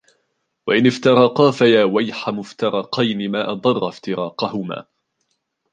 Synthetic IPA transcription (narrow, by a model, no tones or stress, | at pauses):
waʔɪnɪft̪ɑɾˤɑqɑːfajaːwajħamʊft̪ɑɾˤɑqɑjnɪmaːʔɑd̪ˤɑrˤːɑft̪ɪɾɑːqɑhʊma̰ː